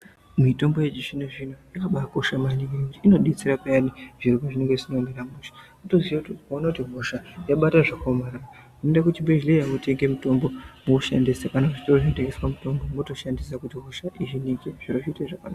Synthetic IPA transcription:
mito̞mbojed͡ʒiʃineʐinoikaɓako̞ʃamanikinekutiino̞ɗit͡sirapejaniʐirukoʐine̞ŋɡeʐisinomeɾamuʃḁmoto̞zwiakutkoonakutiɦoʃajaɓataʐakomaɾara | munondakutimbeʒlejamote̞ŋɡemuto̞mbo̞mokuʃandisakanauʐt͡ʃi̥toroʐinte̞ŋɡeswamuto̞mbo̞moto̞ʃandisakutiɦoʃaʔiʐiniŋɡeʐ̥iroʐiteʐakanaa

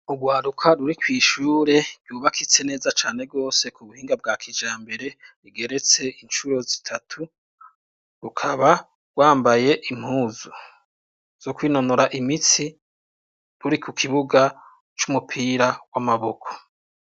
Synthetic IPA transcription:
uɡwaːɾukʰaɾuɾikwiːʃuːɾe̞̥juːβakʰit͡se̞ne̞ːzat͡ʃaːne̞b̚ɡo̞ːse̞kuβuhiːŋɡab̚ɡaːkʰid͡ʒaːmbe̞ɾe̞ɾiɡe̞ɾe̞t͡se̞int͡ʃuɾo̞zitʰatʰu | ɾukʰaβa | ɡ̥waːmbaje̞ʔim̥huːzu | z̥okwiːno̞noɾaʔimit͡si | ɾuɾikʰukʰiβuɡa | t͡ʃumupʰiːɾawamaβo̞kʰo̥

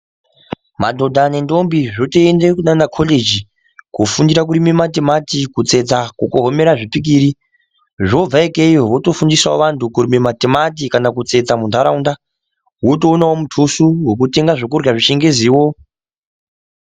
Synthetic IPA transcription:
madʱo̞dʱane̞ndo̞mbiʐotoendekunanakʰoled͡ʒi | kufundiɾak̬uɾimematematikut͡se̞d͡zakukoɦome̞ɾaʐipik̬iːɾi | ʐo̞b͡vaekeiwoto̞fundiswaoʋantʰukuɾimematemat̬ikanakut͡se̞d͡zamundʱaɾaunda | wot̬o̞ːnawomutʰusuwekute̞ŋɡaʐokurɣaʐiʃeŋɡe̞ziːwo̞

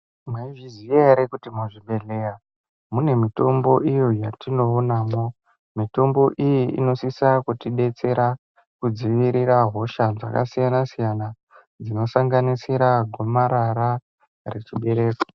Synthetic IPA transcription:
mwaivizieɾekutimuʐiɓe̞ɮe̞ja | mune̞mito̞mbo̞ʔijo̞jatʰino̞unaːmo̞ | mito̞mbo̞ʔijiḭno̞sisakutiɗe̞t͡se̞ɾa | kud͡ziʋiɾiɾaɦo̞ʃad͡za̰ka̰sijanasijana | d͡zino̞saŋɡanisiɾaɡʱo̞maɾaɾa | re̞t͡ʃiɓe̞ɾe̞ːkḁ

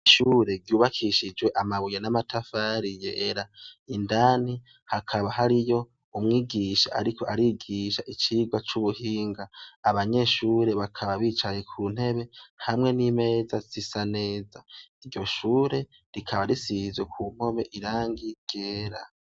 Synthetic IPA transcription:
iʃuɾe̞ɾɟjuːβakʰiʃid͡ʒwe̞ʔamaβujenamatʰafaɾijeːɾaindaːni | hakʰaβaɦaɾijo̞ | umŋiːɡiʃaʔaɾiko̞ʔaɾiɡiʃaʔit͡ʃiːɡwat͡ʃuβuhiːŋɡaːβaɲe̞ʃuːɾe̞βakʰaβaβiːt͡ʃaje̞kʰuːn̥he̞βe̞hamŋe̞nime̞ːzaz̥isane̞ːzaiɾɟo̞ʃuːɾe̞ | ɾikʰaβaɾisizwe̞kʰum̥o̞me̞ʔiɾaːŋɡiɡ̥eːɾa

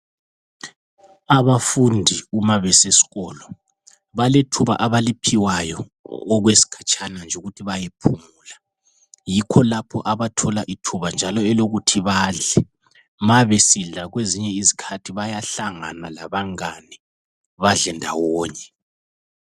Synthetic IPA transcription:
aβafundʱiumaβɛsesi̥ɣɔːlɔ | βaletʰuβa̰ʔaβalipʰiwajɔ | ɔɣwesi̥kʰḁt͡ʃʰʼanand͡ʒʱuɣutʰiβajepʰumuːla | jikʰɔlapʰɔ̰ʔaβatʰɔlaʔitʰuβand͡ʒʱalɔɛloɣutʰiβaɮɛ | maβesiɮaɣweziɲɛizikʰatʰiβajaɬaŋa̰nalaβaŋani | βaɮɛndʱa̰wɔːɲɛ

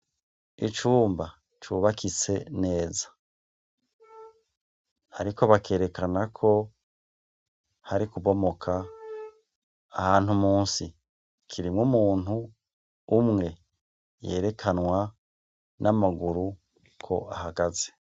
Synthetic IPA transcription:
it͡ʃuːmba | t͡ʃuːβakʰit͡se̞ne̞ːzḁ | a̰ɾiko̞βake̞ːɾe̞kanakʰo̞ | haɾikuβo̞mo̞kʰa | haːnhumuːnsi | kʰiɾimŋumuːn̥huː | mŋe̞ | je̞ːɾe̞kʰanwa | nʔamaɡuɾu | kʰo̞ʔahaɡaze̞̥

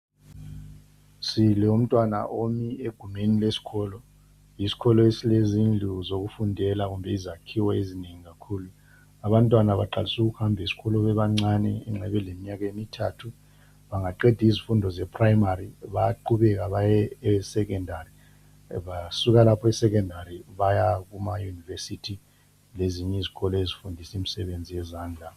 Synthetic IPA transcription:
silɛum̩tʼwana̰ʔomieɡ̥ʱumenilesi̥ɣʰɔːlɔ | isi̥kʰɔlɔesilezind͡ɮʱuzoɣufundʱɛlaɣumbʱɛizakʰiwɔezineŋiɣakʰuːlu | aβantʼwanaβaǃalisuɣuhambʱisi̥ɣɔlɔβɛβaŋ͡ǀanɛ̰ɛ̰ŋ͡ǁɛβɛlemiɲaɣ̬emitʰatʰu | βaŋaǃɛdʱizifundʱɔzɛpʰrajmaɾiβajaǃuβɛk̬aβajɛːsɛk̬ɛndʱari | βasuɣalapʰɔɛsɛk̬ɛndʱaɾiβajaɣumajunivesitʰi | leziɲɛiziɣɔlɔezifundʱisimisɛβend͡zʱijɛzaːnd͡ɮʱa

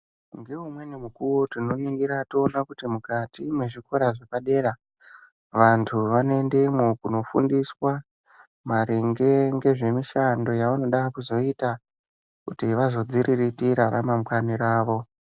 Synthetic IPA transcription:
ŋɡeumwe̞nemukuwo̞tino̞niŋɡiɾatoːnakutimukatimwe̞ʐiko̞ɾaʐepaɗe̞ɾa | ʋantʰuʋane̞ndemokuno̞fṵndiswa | maɾeŋɡe̞ŋɡe̞ʐe̞miʃando̞jaʋano̞ɗakuzo̞ita | kutiʋazo̞d͡ziɾʔiritiɾaɾamamkaniɾaːʋo̞

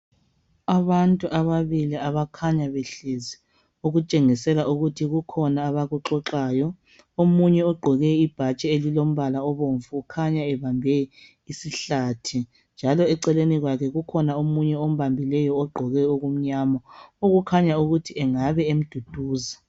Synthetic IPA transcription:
aβantʼuʔaβaβiliaβakʰaɲaβeɬezi | uɣut͡ʃʼeŋisɛlaʔuɣutʰiɣukʰɔnaːβaɣuǁɔǁaːjɔ | omuɲɛɔɡ͡ǃʱɔɣɛib̥ʱat͡ʃʼɛelilom̩βalaɔβoɱfuukʰaɲaɛβambʱɛ | isiɬaːtʰi | nd͡ʒʱalɔɛǀɛleniɣwakʰɛɣukʰɔnaomuɲɛom̩βambʱilɛjɔːɡ͡ǃʱɔɣɛoɣum̩ɲaːmɔoɣukʰaɲauɣutʰiɛŋaβɛem̩d̥ʱud̥ʱuːza

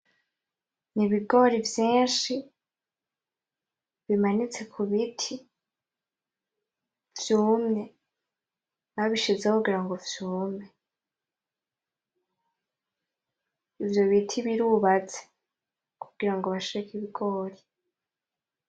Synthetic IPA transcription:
niβiɡo̞ɾivjiːnʃi | βimanit͡se̞kʰuβitʰi | vjuːmŋe̞ | βaβiʃizekuɡiɾaŋɡo̞vjuːme | ivjo̞βitʰiβiɾuβat͡se̥ | kuɡiɾaŋɡo̞βaʃiɾekiβiɡo̞ːɾi

